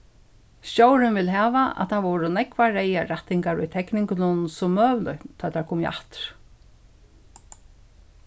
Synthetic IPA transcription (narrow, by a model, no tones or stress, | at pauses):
ɕowɾɪnvɪlɦæːʋaʔa̰ðt̪ʰaʋɔwɾʊnɛkvaɾɛjaɾaht̪ːɪŋkaɹʊ̰jt̪ʰɛknɪŋknʊnsʊmːœːʋlʊht̪ʰɑːjt̪aɹkʰuːmjʔa̰ht̪ɪ̥ɾ̥